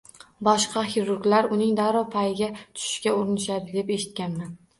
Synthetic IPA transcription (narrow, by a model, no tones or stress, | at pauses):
bɒʃqʰɑhiɾʊɾɡʲlaɾʊnɪŋd̪aɾɒpʰajɪɡʲat̪ʰʊ̥ʃɪ̥ʃkʲaʊɾɪnɪʃad̪ɪd̪e̞pe̞ʃɪt̪̚kʲanman